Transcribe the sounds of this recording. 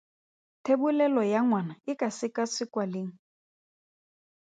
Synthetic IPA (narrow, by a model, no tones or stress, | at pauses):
tʰebulɛlɔjaŋwanaɪkʼasɪkʼasɪkʼwaleːŋ̩